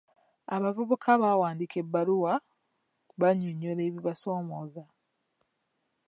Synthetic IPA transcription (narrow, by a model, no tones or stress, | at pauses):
aβavuβukʰaβawaːndikʰe̞bːaluwa | βaɲuɲːole̞ːβiβaso̞ːmoːza